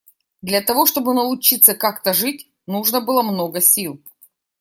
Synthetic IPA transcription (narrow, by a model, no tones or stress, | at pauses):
d̪lʲɐt̪ɐvo̞ʂt̪o̞bɨnəlˠʊt͡ɕit̪sːəkakt̪əʐɨtʲ | nuʐnəbɨlˠəmnoɡəsʲilˠ